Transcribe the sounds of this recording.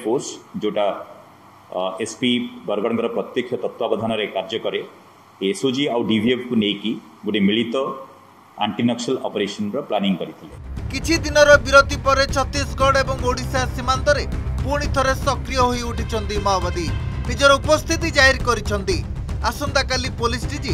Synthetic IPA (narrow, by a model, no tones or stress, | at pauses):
pʰosd͡ʒewʈa | espibɔɾɡɔɽ̃ɔŋkɔɾɔpɾɔt̪jekʰjɔt̪ɔt̪wabɔd̪ʱanɔɾekaɾd͡ʒɔkɔɾe | esod͡ʒiawɖibʱiepʰkunejki | ɡuɽimiɭit̪ɔ | a̰ɳʈinɔksalɔpeɾesɔnɾɔplaniŋkɔɾit̪ʰilekit͡ʃʰid̪inɔɾɔbiɾot̪ipɔɾet͡ʃʰɔt̪ːisɡɔɽebɔŋoɽisasimant̪ɔɾepuɾɽ̃it̪ʰɔɾesɔkɾijɔɦoiuʈʰit͡ʃʰɔnt̪imɔɦɔbad̪inid͡ʒɔɾɔupɔst̪ʰit̪id͡ʒaɦiɾkɔɾit͡ʃʰɔnt̪i | asɔnd̪akalipolisʈid͡ʒi